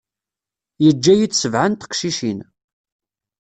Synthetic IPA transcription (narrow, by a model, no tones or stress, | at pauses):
jəd͡ʒːæjit͡sːsəvʕənt̪ə̥qʃiʃin